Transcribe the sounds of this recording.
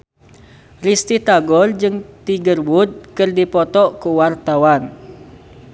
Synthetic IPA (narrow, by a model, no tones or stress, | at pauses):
rist̪it̪aɡɔrd͡ʒɨŋt̪iɡərwud̪̚kɨrdipɔt̪ɔʔkuwart̪awan